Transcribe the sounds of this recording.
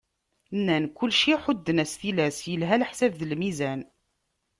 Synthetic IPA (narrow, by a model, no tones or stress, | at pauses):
nːænkʊlːʃiħʊd̪ːənæsθilæsjəlɦælħsævðəlmizæn